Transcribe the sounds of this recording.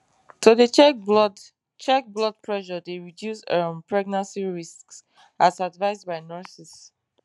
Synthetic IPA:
tʰudət͡ʃɛd | t͡ʃɛk̚blɔd̚pʰɹɛʃɔdeɹidjusəmpɹɛɡ̚nãnsiɹisks | asadvaɪzbaɪnɔɹsis

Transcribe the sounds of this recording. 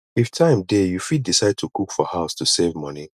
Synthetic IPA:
iftʰãɪ̃mdejufid̚disaɪd̚tʰukʰukfɔhaʊstʰusevmʌni

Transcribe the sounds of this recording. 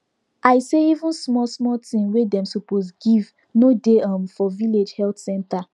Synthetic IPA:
ʔajseivũnsmɔlsmɔtĩmwedɛ̃msuposɡiv | nodeãmfɔviled͡ʒhɛltsɛ̃nta

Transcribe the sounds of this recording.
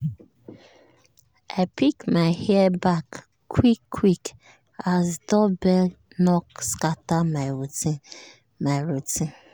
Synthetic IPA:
apikmaɪhɛɛbak | wikʰːwik | azdɔbɛ | nɔkskatamauti | maɾuti

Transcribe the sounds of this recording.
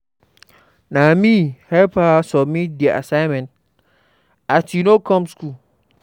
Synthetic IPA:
nãmĩhɛlpʰasɔmĩdiɛʔa̰sãɪ̃mɛ̃nt | atʰinõkʰɔ̃mskʰu

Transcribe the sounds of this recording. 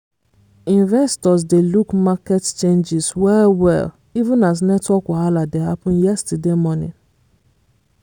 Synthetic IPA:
ĩnvɛstɔz̬delukmakett͡ʃẽnd͡ʒɪzwɛwɛ̰l | ivũnaz̬nɛtwɔkɔɦaladeɦapʊ̃njɛstudemɔnɪ̰̃n

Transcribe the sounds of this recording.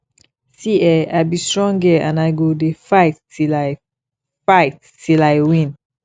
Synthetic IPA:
siɛajbistɹɔ̃ŋɡɛãnajɡodefaɪtːil | faɪt | tilajwĩn

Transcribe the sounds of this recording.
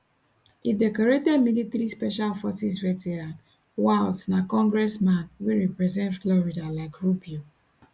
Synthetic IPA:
idɛkɔɾetɛdmilitɾispɛʃalfɔsis̬vɛtɛɾãnt | waɪltnakɔ̃ŋɡɹɛsmãnwiɹɛpɹɛzɛ̃ntflɔɹidalaɪkɹupio

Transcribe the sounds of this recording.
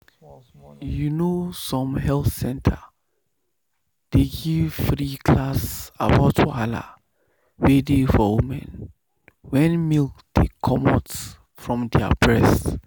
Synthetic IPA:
junosɔ̃mhɛlθsɛ̃ntʰa | d̥eɡivfɹikʰlasabaʊtʰuala̰ | wedefɔwumɛ̰̃n | wɛ̃nmilkdḛkʰɔmɔts | fɹɔ̃mdɛa̰bɹɛst

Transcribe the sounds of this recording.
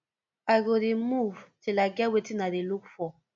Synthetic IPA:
aɡoɾimuvtilaɡawetinaðilukfɔ

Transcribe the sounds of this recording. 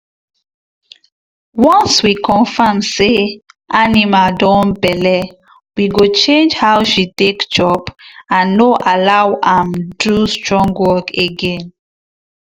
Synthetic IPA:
wɔ̃nswikʰɔ̃nfamseʔanimadɔ̃nbɛlɛ | wiɡot͡ʃẽnd͡ʒhawʃitekd͡ʒɔbãnːoʔalawãmdustɹɔ̃ŋɡwɔkeɡɛ̃n

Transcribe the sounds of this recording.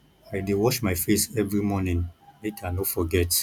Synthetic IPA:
aɪdewɔʃmaɪfesɛvɹimɔnĩnnetanofɔɡɛt

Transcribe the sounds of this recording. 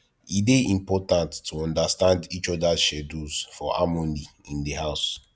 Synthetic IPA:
ideʔĩmpɔtãntːʰuɔ̃ndastãndit͡ʃɔdaʃɛdusfɔʔa̰mɔ̃ndi | ĩndiɦaʊs

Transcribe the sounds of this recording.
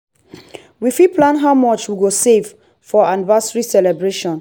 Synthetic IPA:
wifipʰlãnɦaʊmɔt͡ʃwiɡosev | fɔãnvasɹisɛlɛbɹeʃɔ̃n

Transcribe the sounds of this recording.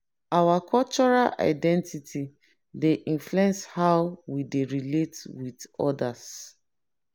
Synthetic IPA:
awakʰɔlt͡ʃɔɹalʔa̰ɪdɛ̃ntitʰi | deʔĩnfluɛ̃nshaʊwwideɹiletwidɔ̰das

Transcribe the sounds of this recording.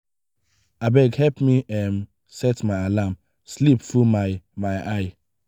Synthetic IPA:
abɛɡhɛlpmiɛm | sɛtmaɪalam | slipfɹumaɪmaɪʔaɪ

